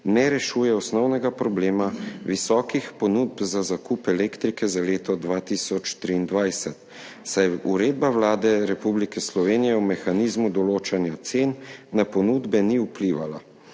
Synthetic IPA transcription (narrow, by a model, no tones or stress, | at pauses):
nɛɾɛʃuːjɛɔsnɔwnɛɡapɾɔbleːmaʋisɔːkixpɔnuːd̪̚bzazakuːpɛleːkt̪ɾikɛzaleːt̪ɔd̪ʋaːt̪iːsɔt͡ʃt̪ɾiːnd̪ʋajsɛt̪ | sajuɾeːd̪̚bawlaːd̪ɛɾɛpublikɛslɔʋeːnijɛɔmɛxaniːzmud̪ɔloːt͡ʃanjat̪seːnːapɔnuːd̪bɛniupliːʋala̰